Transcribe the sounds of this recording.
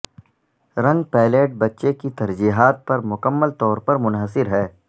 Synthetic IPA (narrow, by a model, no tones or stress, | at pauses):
ɾɐ̃ŋɡpɛːleːʈ̚bɐtːʃekit̪ɐɾd͡ʒiːɦaːt̪̚pɐɾmʊkəmːəlt̪ɔːɾpɐɾmʊnɦəsɪɾɦɛː